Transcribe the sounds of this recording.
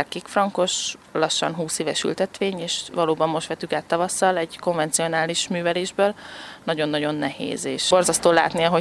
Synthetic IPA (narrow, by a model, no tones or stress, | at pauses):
rkikfrɒŋko̞ʃlɒʃːɒ̰nɦuːseːvɛʃy̰lt̪ɛt̪ʋeːɲeːʃʋɒloːbɒmːo̞ʃt̪ʋɛt̪ykaːt̪ːɒvɒsːɒlɛɟko̞ɱvɛnt̪sio̞naːliʃmyːvɛleːʒbøːlnɒɟo̞nːɒɟo̞nːɛhḛːzḛːʃbo̞rzɒst̪oːla̰ːt̪niɒɦo